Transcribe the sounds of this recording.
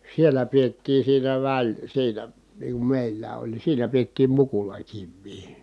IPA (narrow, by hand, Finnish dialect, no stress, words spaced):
sielːæ pietːiː siːnæ ʋæl siːnæ niːŋ kum meˑilːæː olʲ ni siːnæ pietːiːm mukulɑkiʋːiː